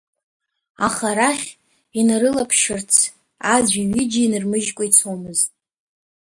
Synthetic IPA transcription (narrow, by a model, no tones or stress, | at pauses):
aχaɾaχʲ | inaɾɨlapʰʃɪrt͡sʰ | azʷiɥid͡ʒainɨrmɨʒkʷʼait͡sʰomɨztʼ